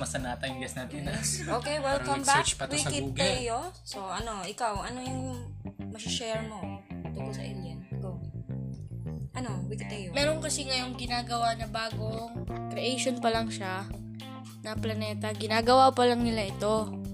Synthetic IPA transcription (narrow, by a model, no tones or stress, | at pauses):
mɐsɐnaːt̪ɐjɡɛsnaːt̪ɪnɐokejwɛlkɐmbat͡ʃpɐtw̪sɐkɪːtɡ̪ɐjosoʔɐnoʔɪkawʔɐnojʊŋmɐsɪʃɛɹnot̪ukolsɐ̰ʔɛ̰ljɐnɪkaw | ʔɐnowɪkɪd̪ɐjomɛːɾo̞nkɐsiŋɐjo̞ŋɡɪnaːɡɐwanɐbaːɡokɾɛʔejʃo̞npɐlɐŋʃa | nɐplɐnɛːt̪ɐɡɪnaːɡɐwapɐlɐŋnɪlaʔɪt̪o̞